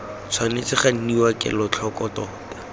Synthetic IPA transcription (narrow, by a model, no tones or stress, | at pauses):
t͡sʰwanet͡sɪχan̩niwakʼɪ̰lʊt͡ɬʰɔkɔtɔːtḁ